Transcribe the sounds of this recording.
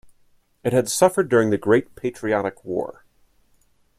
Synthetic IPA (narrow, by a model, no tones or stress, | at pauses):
ɨt̚hɨd̥sʌfə˞dʊɹɪ̃ŋðɨɡɹeɪt̚pʰeɪt͡ʃɹ̥iɑɾɨkʰwɔ̰ɹ